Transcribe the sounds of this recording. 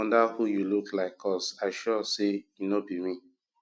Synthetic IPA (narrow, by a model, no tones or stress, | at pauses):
ɔ̃ndahujuluklaɪkʰɔsaɪʃɔsejinobimĩ